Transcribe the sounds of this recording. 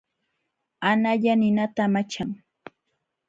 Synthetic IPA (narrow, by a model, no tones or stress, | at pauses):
anaʎanɪnat̪amat͡ʃaŋ